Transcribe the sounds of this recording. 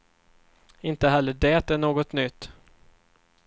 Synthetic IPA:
ɪnt̪əɦɛlːəɖɛːt̪ɛnoːɡɔt̪nʏt̪ː

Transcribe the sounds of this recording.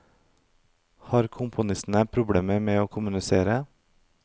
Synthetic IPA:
hɑːɾkʰʊmpʰʊnɪst̪n̩əpʰɾʊbɽeːməmeːoːkʰʊmʉnɪseːɾə

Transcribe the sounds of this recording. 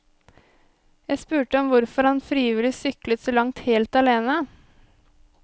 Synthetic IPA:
jæɪspʉːʈəɔmʋʊɾfɔɾhɑnfɾɪjiːʋɪlɪsʏklət̪soːlɑŋt̪heːlt̪ɑleːnə

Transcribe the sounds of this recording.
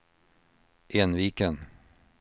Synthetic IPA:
ʔeːnʋiːkən

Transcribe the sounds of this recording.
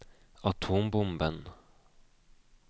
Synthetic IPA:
ɑt̪ʰuːmbʊmbən

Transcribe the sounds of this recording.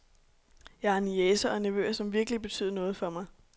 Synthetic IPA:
jɑ̈æɐnesɐɒ̽næʋø̰ːɐsɒ̽mʋiɐɡ̥əlib̥e̝t͡sʰy̰ːð̞̰ˠɐnɔ̽ːð̞̩ˠfɒ̽mɑ̈ɪ

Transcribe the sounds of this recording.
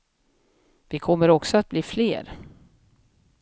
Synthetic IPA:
vɪkʰɔmːəɾɔksɔat̪̚bliːflḛːɾ

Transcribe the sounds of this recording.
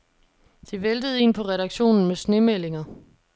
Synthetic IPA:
d̥iʋeld̥əð̞̩ˠe̝̰ːnpʰɒ̽ʁɛɾɑ̈ɡ̥ɕo̝̰ːnn̩mesne̝mele̝ŋɐ

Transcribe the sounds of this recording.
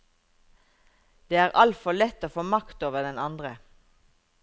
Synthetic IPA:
d̪̥eːæːʁʔɑlt̪fɔlɛt̪ːoːfoːmɑkt̪oːʋəd̪ɛnɑnd̪ʁə

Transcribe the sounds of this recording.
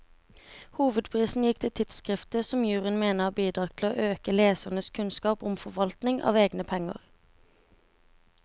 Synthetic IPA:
huːʋəd̪pʰʁiːsn̩jɪk̚t̪ʰɪt̪ʰɪt̪skʁɪft̪əsɔmjʉːʁənmeːnəɑːbiːd̪ʁɑːʁt̪ʰl̩o̰ːʔøːkəleːsəʁnəskʰʉnskɑːpʊmfɔʋɑlt̪nɪŋʔɑ̰ːʋeːɡnəpʰɛŋə̰ʁ

